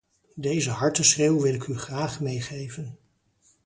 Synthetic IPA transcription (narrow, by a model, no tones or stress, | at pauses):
dejzəɦɑɹtəsχreːwʋɪlɪkyχraːχmejχejvən